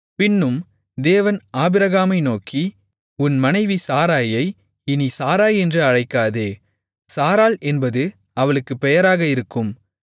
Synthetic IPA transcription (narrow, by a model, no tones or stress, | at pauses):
pɪnːɯm | d̪eːʋɐnaːbɪɾɐɣaːmɐɪnoːki | ʊnmɐnɐɪʋisaːɾaːjɐɪ | ɪnisaːɾaːjɛndrɯɐɻɐɪkːaːðeː | saːɾaːlʔɛnbɐðɯ | ɐʋɐɭɯkːɯpɛjɐɾaːɣɐɪɾɯkːɯm